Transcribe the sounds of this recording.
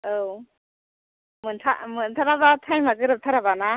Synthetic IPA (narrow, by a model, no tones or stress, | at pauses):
ow | mɯntʰa̰mɯnt̪ʰaɾabat̪ʰajmaɡɯɾɯp̚t̪ʰaɾabana